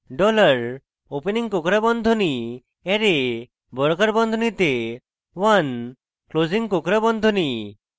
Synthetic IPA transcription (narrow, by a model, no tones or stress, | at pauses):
ɖɔlaɾ | openiŋkokɾabɔnd̪ʱɔni | eɾe | bɔɾɔkaɾbɔnd̪ʱɔnit̪e | wan | klod͡ʒiŋkokɾabɔnd̪ʱɔni